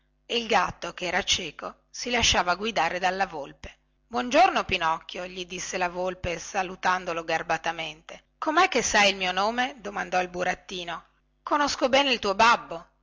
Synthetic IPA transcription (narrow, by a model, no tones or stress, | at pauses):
eilɡat̪ːokeɛːɾat͡ʃɛːko | silaʃːaːvaɡwid̪aːɾed̪alːavolpe̥ | bwɔnd͡ʒornopinɔkːjoʎid̪isːelavolpesalut̪and̪oloɡarbat̪ament̪e | komɛkːesajilmiːonoːmed̪omand̪ɔilbuɾat̪ːiːno | konoskobɛːneilt̪uːobabːo